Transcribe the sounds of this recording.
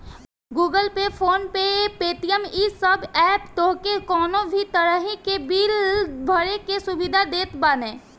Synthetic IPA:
ɡuːɡəlpepʰoːnpepeːt̪ijəmisəbɛːpt̪oɦkekɔːnõbʱit̪əɾəɦikebiːlbʱəɾekesʊbid̪ʱad̪eːt̪baːneː

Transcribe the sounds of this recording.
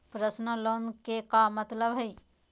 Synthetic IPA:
pɾəsnəloːnkekamət̪ləbɦɐi

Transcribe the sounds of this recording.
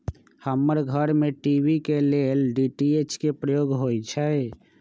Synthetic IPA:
həməɾɡʱəɾmẽʈiʋikelelɖiʈiet͡ʃkepɾəjoːɡɦoːit͡ʃʰɛ

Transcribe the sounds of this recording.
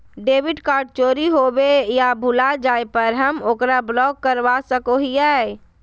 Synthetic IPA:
ɖeːʋɪɖkaːɾɖ̚t͡ʃoːɾiɦoːbejabʱʊlad͡ʒaːepəɾɦəmoːkɾablɔːɡ̚ːəɾwasəkoɦiɛː

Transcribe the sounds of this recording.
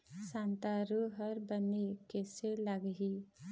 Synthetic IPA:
sãnt̪aɾuɦəɾbənekeselaɡɦi

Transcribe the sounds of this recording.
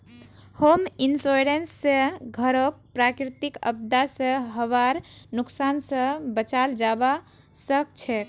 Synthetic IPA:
hominsoɾensːə̃ɡʱəɾok̚pɾakɾit̪ikə̰b̚d̪asə̃ɦəβaɾnuksansə̃bət͡ʃald͡ʒaba | səkt͡ʃʰɛk

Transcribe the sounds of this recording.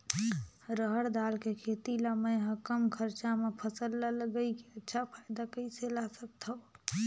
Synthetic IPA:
ɾəɦəɽd̪alkekʰet̪iləməjɦəkəmkʰəɾt͡ʃamepʰəsəlːələɡəikeətːʃʰapʰajd̪akəiselasək̚t̪ʰə

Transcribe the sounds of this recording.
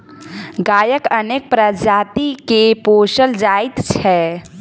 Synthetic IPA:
ɡaːjəkəneːk̚pɾəd͡ʒaːt̪ikepoːʃəld͡ʒaːɪt̪t͡ʃʰɛ

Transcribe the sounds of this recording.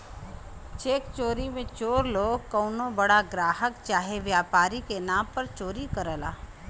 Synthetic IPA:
t͡ʃeːkt͡ʃoːɾimẽt͡ʃoːɾloːɡkəʊnõbɐɽaɡɾaːɦəkt͡ʃaːɦeʋjaːpaːɾikenaːmpəɾt͡ʃoːɾikəɾəla̰ː

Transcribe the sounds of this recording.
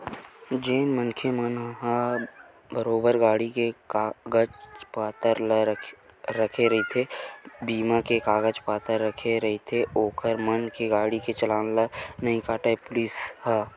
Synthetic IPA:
d͡ʒeːnmənkʰemənɦa | bəɾoːbəɾɡaːɽikekaɡəd͡ʒpaːt̪əɾl | ɾəkʰeɾɐɦit̪ʰebiːmakekaːɡəd͡ʒpaːt̪əɾːəkʰeɾɐɦet̪ʰeoːkəɾmənkeɡaːɽiket͡ʃəlaːnlanɐɦĩkaːʈaepʊlisha

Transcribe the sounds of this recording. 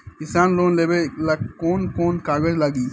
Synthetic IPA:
ɪsaːnloːnleːbelakoːnkoːnkaːɡəd͡ʒlaɡiː

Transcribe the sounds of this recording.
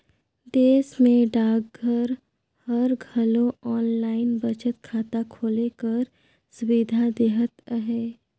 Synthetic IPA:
d̪eːsmẽɖaːɡɡʱəɾ | həɾɡʱɐlõɔːnlaːɪnbət͡ʃət̪̚kʰaːt̪akʰoːlekəɾ | sʊʋid̪ʱad̪eːɦət̪əɦeː

